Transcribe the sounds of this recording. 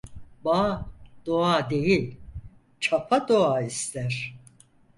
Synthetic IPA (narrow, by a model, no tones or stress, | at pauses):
bad̪oad̪e̞jilʲ | t͡ʃʰapʰad̪oaːist̪ʰæɾ̥